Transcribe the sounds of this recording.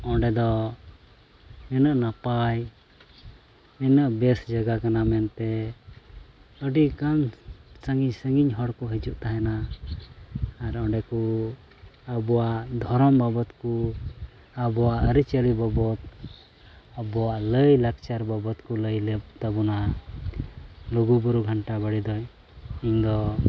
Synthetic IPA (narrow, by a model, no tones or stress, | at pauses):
ɔ̃ɖɛd̪ɔ | mɛnəʔnapaj | mɛnəʔbɛsd͡ʒaɡakanamɛnt̪ɛ | əɖikamsəŋɡiɲsəŋɡiɲɦɔɽkɔɦid͡ʒuʔt̪aɦɛna | ɾɔ̃ɖɛku | əbɔwaʔd̪ʱɔɾɔmbabɔt̪ku | əbɔwaʔəɾit͡ʃəlibəbɔt̪̚ | əbɔwaʔləjlakt͡ʃaɾbabɔt̪kuləjlɛb̚t̪əbuna | luɡubuɾuɡʱəɳʈabəɽid̪ɔj | iɲd̪ɔ